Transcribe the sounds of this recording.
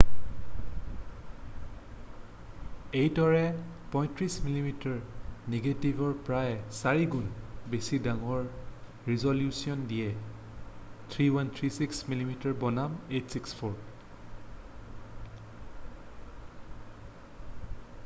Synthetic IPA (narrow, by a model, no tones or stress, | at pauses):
ejtɔɹɛ | pɔ̃j̃tɹismilimitaɹneɡetibʱɔɹpɹajsaɹiɡunbesidaŋɔɹ | ɹizɔljusiɔndijɛ | tʰɹiwant̪ʰɹisiksmilimitaɹbɔnametsikspʰɔɹ